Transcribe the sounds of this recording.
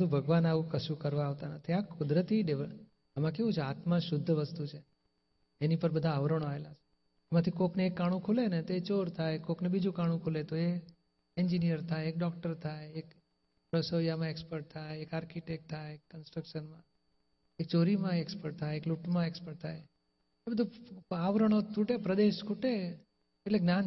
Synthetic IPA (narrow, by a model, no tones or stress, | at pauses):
əd̪ʱũbʱəɡʋanaʋũkəsukəɾʋaːʋt̪anat̪ʰiakʊd̪ɾət̪iɖeʋə | əmãkeʋũt͡ʃʰeat̪mãʃʊd̪ʱːəʋəst̪ut͡ʃʰe | enipəɾbəd̪ʱaəʋɾəɳ̃aʋelat͡ʃʰe̥ | mãt̪ʰikokneːkːaɽ̃ũkʰulenet̪oet͡ʃoɾt̪ʰajkoknebid͡ʒũkaɽ̃ũkʰulet̪oe | end͡ʒinijəɾt̪ʰajek̚ɖɔkʈəɾt̪ʰajek | ɾəsojamãekspəɾʈ̚t̪ʰajekaɾkiʈek̚ʈ̚t̪ʰːaeekːənsʈɾəkʃənmã | ek̚t͡ʃoɾimãekspəɾʈ̚t̪ʰajekluʈmãekspəɾʈ̚t̪ʰaj | ebəd̪ʱũaʋɾəɽ̃ot̪uʈepɾəd̪eʃkʰuʈe | eʈleɡnan